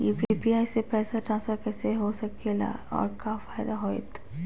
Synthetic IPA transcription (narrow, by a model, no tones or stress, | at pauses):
iːppiaːjsepɛːsaʈɾãːnsfəɾkɛːseɦosɐkela̰ɔ̰ːɾkaːfaːɪd̪aɦoːɪ̰t̪